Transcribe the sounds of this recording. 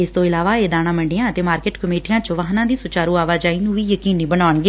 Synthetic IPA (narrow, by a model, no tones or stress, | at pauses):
ɪst̪õːɪlaːʋaːeːd̪aːɽ̃ãːməɳɖɪjãːət̪eːmaːɾkɪʈkəmeːʈijãːt͡ʃəʋaɦnãːd̪iːsʊt͡ʃaːɾuːaːʋaːd͡ʒaːiːnũːʋiːjəkiːniːbənaːɳɡeː